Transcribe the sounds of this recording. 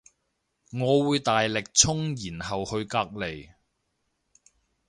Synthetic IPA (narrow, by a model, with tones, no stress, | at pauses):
ŋɔː˨˧wuː˨˧jt̪aː˨jlɪ˨k̚t͡sʰʊ˥ŋjiː˨˩nhɐ˨whɵ˧ɥkaː˧k̚le˨˩j